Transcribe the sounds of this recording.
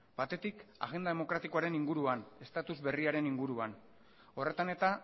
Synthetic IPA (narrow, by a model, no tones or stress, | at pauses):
b̥at̪e̞t̪ika̰ɣe̞nd̪aðe̞mo̞kɾat̪iko̞aɾe̞niŋɡuɾuane̞st̪at̪uzβe̞riaɾe̞niŋɡuɾuan | o̞re̞t̪ane̞t̪a